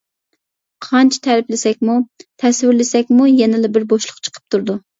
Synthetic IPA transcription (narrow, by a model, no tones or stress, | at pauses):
qʰɑnt͡ʃʰi̥t̪ʰæɾɪplɪsɛk̚ʲmut̪ʰɛswɪɾlɪsɛkʲmujɛnɪlɪbɪɾboʃlˠʊqt͡ʃʰə̥qʰə̥p̚t̪ʰuɾd̪u